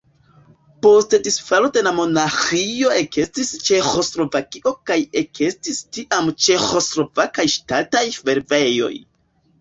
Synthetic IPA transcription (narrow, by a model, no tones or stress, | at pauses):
po̞stedisfalode̞lamo̞naxio̞e̞ke̞stist͡ʃe̞xo̞slo̞vakiʔo̞kaje̞kʰe̞stistiʔamt͡ʃe̞xo̞slo̞vakajʃtatajfe̞ɾve̞jo̞̰j